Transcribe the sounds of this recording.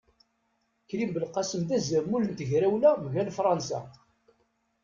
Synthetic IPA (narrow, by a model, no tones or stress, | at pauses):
çɾimbəlqɑsəmðæzəɾmːulənt̪əʝɾæwlæmʝælfɾˤɑnsæ̰